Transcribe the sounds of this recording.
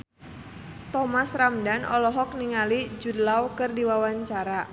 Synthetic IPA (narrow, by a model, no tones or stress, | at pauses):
t̪ɔmasramdanɔ̰lɔɦɔk̚niŋalid͡ʒudlawkɨrdiwawaɲt͡ʃaɾa